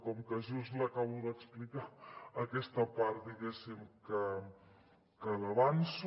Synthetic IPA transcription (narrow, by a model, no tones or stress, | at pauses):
kɔmkəʒusləkaβuðəksplikaːkɛst̪əpaɾt̪d̪iɣɛsimkə | kələβansu